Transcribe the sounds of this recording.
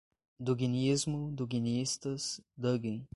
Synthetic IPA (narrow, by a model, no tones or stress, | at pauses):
d̪uɡinizmʊd̪uɡiniist̪ɐsd̪əɡĩŋ